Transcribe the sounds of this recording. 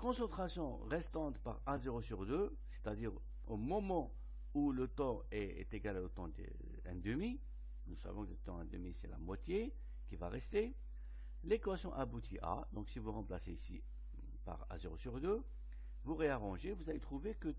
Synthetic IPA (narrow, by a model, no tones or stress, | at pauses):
kɔ̃sɑ̃t̪χasjɔ̃ʁɛst̪ɑ̃t̪pa̰ʁazeʁosyʁd̪ø | se̥t̪ad̪iʁ | omɔmɑ̃ | ulət̪ɑ̃ | ɛɛ̰t̪eɡaleot̪ɑ̃d̪ḛ | ɛ̃d̪əmi | nusa̰vɔ̃kələt̪ɑ̃ɛ̃d̪əmisɛla̰mwat̪je | kʲivaʁɛst̪e | lekwasjɔ̃ʔabut̪ʰiʔa̰d̪ɔ̃ksivuʁɑ̃plaseisḭ | pa̰ʁa̰zeʁosyʁd̪ø | vuʁeaʁɑ̃ʒevuzalet̪χuvekə